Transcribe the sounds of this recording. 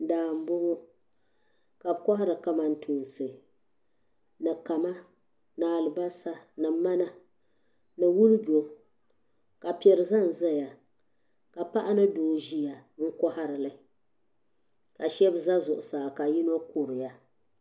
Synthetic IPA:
daː˨m̩˦bʊ˦ɡʊ˦ | ka˨bkɔ˦ɦa˦ɾɨ˨ka˦ma˦n˦tʰu˨n˨sɨ˨ | nɨ˨ka˨ma˦ | naː˨lɨ˨ba˦sa˦nɨ˨ma˦na˨ | nɨ˨wu˦lbo˨ | ka˨pi˨ɛ˨ɾɨ˨za˦˨n˨za˦ja˨ | ka˨pa˦ʔa˦nɨ˦doː˨ʒi˦ja˨ŋ̩˦kɔ˦ha˦ɾɨ˨lɨ˨ | ka˨ʃɛ˦bza˦zʊ˨ʔʊ˨saː˨ka˨ji˦no˦kʊ˨ɾɨ˨ja˦

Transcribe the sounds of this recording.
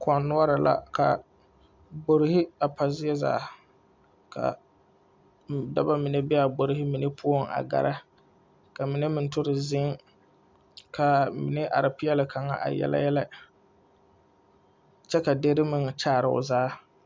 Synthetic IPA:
kʰɔ˨nːʊ˦ɔ˦ɾa˨la̰˦kʰa˨ | bo˨ɾɪ˦hɪ˦a˨pa˨zɪ˦ɛ˦za̰ː˨˦˨ | kʰa̰˨ | da˦ba˦mɪ˨ne˦bɛ˦a˨ɡ͡bo˨ɾɪ˦hɪ˦mɪ˨ne˦pʰʊ˦o˦˨ŋa̰˨ɡa̰˨ɾʔa˦ | ka˨mɪ˨ne˦mɪ˨n˦tʊ˦ɾɪ˨zɪ˦ŋ | kʰa˨mɪ˨ne˦ʔa̰˨ɾɪ˨pɪ˦jɛ˦lɪ˨kʰa˨ŋa̰˦ʔa̰˨jɛ̰˦la̰˦jɛ˦la˦ | t͡ʃɛ˦ka˨de˦ɾɪ˦mɪ˨ŋ˨t͡ʃaː˦˨ɾɪ̰˦˨ʊ̰˨zaː˦

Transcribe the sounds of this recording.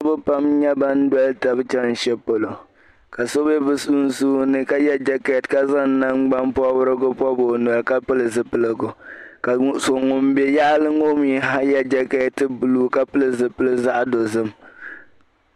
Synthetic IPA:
a˦bɨ˦pa˦mɲɛ˦ba˦n˦dwɔ˦lta˨bɨ˦t͡ʃɛ˦n̩˨ʃɛ˦po˨lo˨ | ka˨so˦bɛ˦bɨ˦su˦n̩˦suː˦nɨ˦ka˦jɛ˦d͡ʒɛ˦ka˨tka˦za˦n˦na˦ŋ͡mɡ͡ba˦mpɔ˦bʊ˦ɾɨ˦ɡʊ˦pɔ˦bo˨nɔ˨lka˦pɨ˦lɨ˨zɨ˨pɨ˦lɨ˦ɡʊ˨ka˨so˨ŋʊ˨m˦bɛ˨ja˦ʔlɨ˦ŋo˦mi˦˨ɦa˦jɛ˦d͡ʒɛ˦ka˦˨tɨ˦bɨ˨luː˦ka˦pɨ˦lɨ˦˨zɨ˨pɨ˦lɨ˦za˦ʔdo˨zɨ˦m

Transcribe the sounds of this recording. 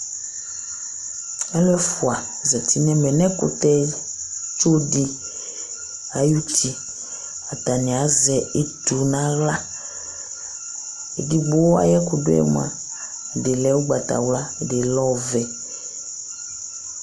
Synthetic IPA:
ɛ˦lɛ˦fu˨a˨zɛ˨t̪i˦nɛ̃˦mɛ˨nɛ̃˦ko̰˨t̪ɛ˦ | t͡ʃo˦di˦ | a˨ju˦tʰi˨ | a˨ta˨nĩ˨a˨˦zɛ˨e˦tu˨nã˦ɣla˦ | ḛ˨di˦ɡ͡bo˦wa̰˦jɛ˦ko˨do˦ɛ̰˨mṵ˨a̰˨ | de˨lɛ˦wu˦ɡ͡ba˨t̪a̰˨wla˦˨de˨lɔ˦˨vɛ˨

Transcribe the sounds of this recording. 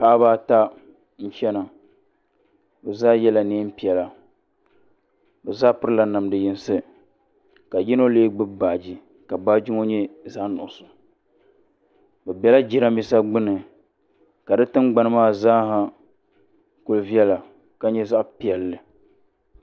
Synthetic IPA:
pa˦baː˦ta˦ | n̩˦t͡ʃɛ˦na˨ | bɛ˨zaː˦jɛ˦la˨neː˦m̩˦pi˨ɛ˨la˨ | bɛ˨zaː˦pɨ˦ɾɨ˦la˨na˨mdɨ˨ji˨n˦sɨ˦ | ka˨ji˦no˦leː˦ɡ͡bɨ˦baː˨d͡ʒi˦ | ka˨baː˦d͡ʒi˦ŋo˦ɲɛ˦zaː˦nʊ̰˨ʔʊ˨sʊ˨ | bɛ˨bɛ˦la˦d͡ʒi˦ɾa˦mi˦sa˦ɡ͡bɨ˦nɨ˨ | ka˨dɨ˦tɨ˦mɡ͡ba˨˦nɨ˦maː˦˨zaː˦ɦa˨ | kʊ˨lvi˦ɛ˦la˨ | ka˨ɲɛ˦za˦ʔpi˨ɛ˨lːɨ˨

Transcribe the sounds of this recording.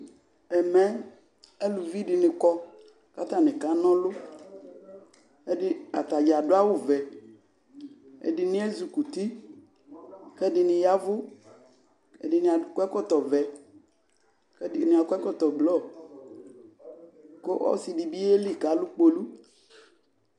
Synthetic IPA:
ɛ˨mɛ̃˦ | e˦lu˨vi˦ɖɪ˨nɪ̃˨kɔ˦ | ka˦t̪ã˦nẽ˨ka˦nɔ̃˦lʊ˦ | e˦ɖɪ˦a̰˨t̪a˨d͡ʒa˨do˦a˦wo˦vɛ˨ | ḛ˨ɖi˨nĩ˦e˦zu˨ku˨t̪i˦ | kɛ˦dɪ˨nɪ̃˨ja˦vʊ˦ | e˨ɖɪ˨nĩ˨a˨kɛ˦kɔ˦t̪ɔ˨vɛ˨ | kɛ˦ɪ˨nĩ˨a˨kɛ˦kɔ˦t̪ɔ˨blɔ˦˨ | ko˦ʔɔ̰˦si˨ɖi˨bi˦e˦li˦˨ka˨˦lu˦k͡po˦lu˦

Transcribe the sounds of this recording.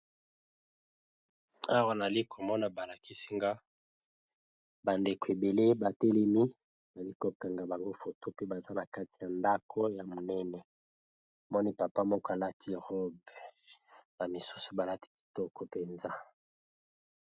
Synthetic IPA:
a˦wa˦na˨li˦kʰo˨mɔ˦na˨ba˨la˨ki˦si˦ŋɡa˦ | ba˨nde˨ko˨e˨be˨le˦ba˨te˦le˦mi˦˨ | na˨li˦ko˨pɛ˨ŋɡa˨ba˨ŋɡo˦fo˨to˦pe˦ba˨za˦na˨ka˦ti˨ja˨nda˦kʰɔ˦ja˨mo˨nɛ˦nɛ˨ | mɔ˦ni˦pa˨pa˦mɔ˦kɔ˦a˨la˦tʰi˦ʁɔ˦bba˨mi˨su˦so̥˨ba˨la˦ti̥˦ki̥˨tɔ˦kɔ˨pe˨nza˦

